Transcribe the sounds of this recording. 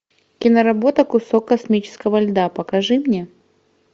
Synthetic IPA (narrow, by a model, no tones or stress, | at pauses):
kʲɪnəɾɐbo̞t̪əkʊsokːɐsmʲit͡ɕɪ̥skəvɐlʲd̪apəkɐʐɨmnʲe